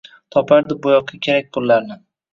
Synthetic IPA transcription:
t̪ʰɒpʰaɾd̪ɪbʊjɒq̚ʰːakʲʰe̞ɾak̚ʲqʰʊlːaɾnɪ

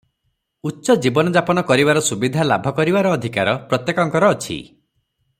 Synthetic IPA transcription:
utːʃɔd͡ʒibɔnɔd͡ʒapɔnɔkɔɾibaɾɔsubid̪ʱalabʱɔkɔɾibaɾɔːd̪ʱikaɾɔpɾɔt̪jekɔŋkɔɾɔːt͡ʃʰḭ

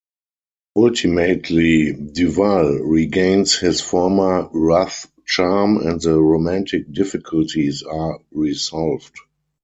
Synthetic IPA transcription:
ʔaltʰimetʰlidivalɹiɡẽɪ̃nshɪsfɔɹmə˞ɹaθ | t͡ʃaɹmɛ̰̃ntðəɹomæ̃ntʰɪk̚dɪfɪkʰʊltʰisaːɹizɔlvd

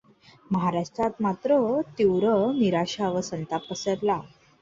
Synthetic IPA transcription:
məɦaɾaʂʈɾat̪mat̪ɾət̪iwɾəniɾaɕaʋəsənt̪apəsəɾla

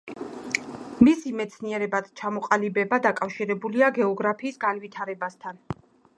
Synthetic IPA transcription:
misimɛt̪sʰniɛɾɛbat̪t͡ʃʰamɔqʼalibɛbad̪akʼafʃiɾɛbuliaɡɛɔɡɾapʰiːsɡanvit̪ʰaɾɛbast̪ʰan

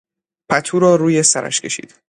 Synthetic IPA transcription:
pʰæt̪ʰuːɾɒːɾuːje̞sæɾæ̰ʃkcʰe̞ʃḭːd̪̥

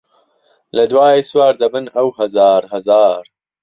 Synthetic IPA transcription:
lɐd̪waːjeswaːɾd̪ɐbɨnɐwhɐzaːɾhɐzaːɾ

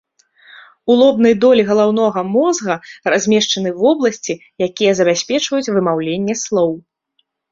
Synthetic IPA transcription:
ulˠɔbn̪ɐjd̪ɔlʲiɣɐlˠawnɔɣɐmɔzɣɐrazʲmʲɛʂt͡ʂɐn̪ɨvɔblˠɐsʲt͡sʲi | jakʲijɛzɐbʲasʲpʲɛt͡ʂvɐjut͡sʲvɨmawlʲenʲːɛslˠɔw

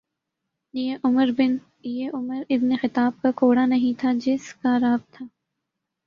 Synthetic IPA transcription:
jeʔʊməɾbɪn | jeʔʊməɾɪbnexɪt̪aːb̚kakʰoːɽanɐɦĩt̪ʰad͡ʒɪskaɾaːb̚t̪ʰaː

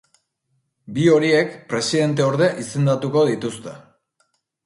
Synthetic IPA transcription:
bio̞ɾie̞kpɾe̞siðe̞nt̪̬e̞oɾðe̞ʔise̞nd̪at̪uko̞ð̞it̪ust̪e̞

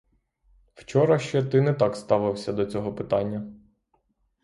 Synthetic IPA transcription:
w̥t͡ʃɔɾɐʃt͡ʃɛt̪ɪnɛt̪ɑkst̪ɑʋɪwsʲɐd̪ɔt͡sʲɔɦɔpɪt̪ɑnʲːɐ

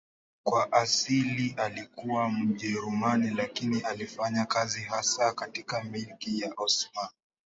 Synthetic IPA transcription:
kwaʔasiliʔalikuwam̩ʄɛɾumanilakiniʔalifaɲakaziɦasakatikamilkijaʔɔsma

